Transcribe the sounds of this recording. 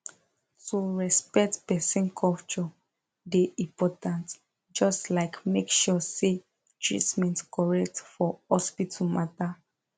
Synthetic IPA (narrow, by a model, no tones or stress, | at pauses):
tuɹɛspɛk̚tpɛsɛ̃nkʰɔlt͡ʃɔ | deʔĩpɔtãnt | d͡ʒɔstlaɪkmekʃɔse | tʰɹḭtmɛ̃ntkɔɹɛk̚tfɔhɔspitʰɔmata